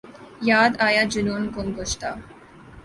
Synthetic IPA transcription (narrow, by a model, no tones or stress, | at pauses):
jad̪ajad͡ʑunonkonɡoʃt̪a